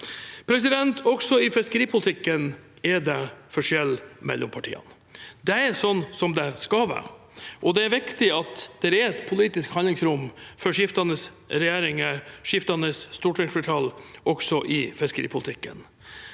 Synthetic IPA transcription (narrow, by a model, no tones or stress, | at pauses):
pʰɾɛs̬ɪd̪ɛnt̪ʰɔɡsɔɪfɛskəɾiːpʰʊlɪt̪ʰɪkːən | ɛɖɛfɔʂɛlːmɛ̰lːʊ̰mpʰɑʈʰḭːə̰n | d̪ɛɛɾsɔnːsɔmd̪ɛskɑʋæ̰ | ʔɔd̪ɛæɾʋɪkt̪ɪɑt̪d̪̥ɛɾɛɾɛt̪pʰʊliːt̪ɪskhɑnlɪŋsɾʊmfɔɾʂɪft̪ɑnəs | ɾɛjeːɾɪŋəʂɪft̪ɑnəsst̪uːʈʰɪŋsfəʈ̪ʰɑlʔɔksɔʔɪfɛskəɾḭːpʰʊlɪt̪ʰɪkːə̰n